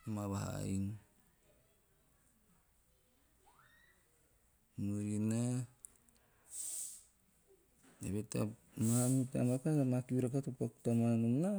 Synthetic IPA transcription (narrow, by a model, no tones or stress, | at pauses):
maβaɦa̰in | nuɾina | eβeta̰ | maamita̰makatamakiɾakatupoktamanumna